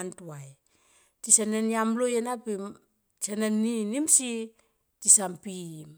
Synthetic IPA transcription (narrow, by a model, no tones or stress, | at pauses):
ntuaj | tisanenjamlojenapim | sanenːinimsi | tisampim